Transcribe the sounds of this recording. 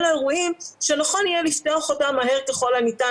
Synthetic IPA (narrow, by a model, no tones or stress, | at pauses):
laeʁuimʃenaχo̞nijeliftoaχotamaɦeʁkeχo̞lanita